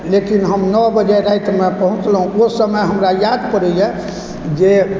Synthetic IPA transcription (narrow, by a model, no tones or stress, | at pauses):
lekinɦəmnɔbəd͡ʒaɾajt̪mepəɦũt͡ʃləɦũosəməjɦəmɾajad̪pəɾəjje | d͡ʒe